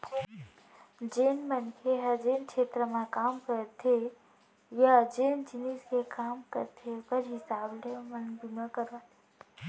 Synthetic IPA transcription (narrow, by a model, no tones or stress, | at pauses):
d͡ʒeːnmənkʰeɦəd͡ʒeːnkʃʰeːt̪ɾəmãkaːmkəɾt̪ʰe | jad͡ʒeːnd͡ʒiniskekaːmkə̰ɾt̪ʰebəɾɦisaːblemənbimãkəɾʋat̪e̥